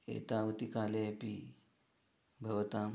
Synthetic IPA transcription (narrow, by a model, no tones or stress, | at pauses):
ḛt̪aʋt̪ikalepi | bʱɐʋt̪am